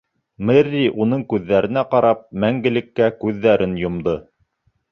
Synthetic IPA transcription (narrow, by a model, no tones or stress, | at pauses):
mɘɾːiʔunɤɴkʉðːæɾɘ̆næqɑɾɑp̚mæŋɡɘ̆lɘ̆kːækʉðːæɾɘnjŏmd̪ɤ